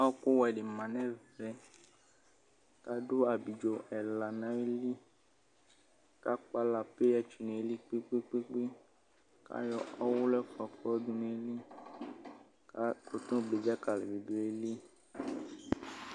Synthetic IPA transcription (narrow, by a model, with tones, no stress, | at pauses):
a˦ɔ˦ku˦wɔ˨ɛ˨ɖe˨mã˨nɛ̃˦vɛ˨ | ka˦do˦a˨bi˨d͡ʒo˨ɛ˨la˨nã˨˦e˦li˦ | ka˦k͡pa˦la˨pe˦ja˦t͡ʃu˨nẽ˨e˨˦li˦k͡pe˦k͡pe˦k͡pe˦k͡pe˦ | ka̰˦jɔ˦ɔ˦wʊ˦lɛ˦kɔ˨kɔ˦dũ˦nẽ˨e˦li˦ | ka˦ko˨t̪ũ˦ɡ͡ble˨d͡ʒa˦ka˨lɛ˨bi˨do˨˦e˦li˦